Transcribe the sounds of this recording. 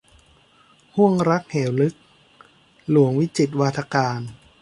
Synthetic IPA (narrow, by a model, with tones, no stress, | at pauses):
hu˥˩əŋɾa˦˥k̚heː˩˦wlɯ˦˥k̚ | lu˩˦əŋwi˦˥t͡ɕi˨˩t̪̬̚waː˧t̪ʰa˧kaː˧n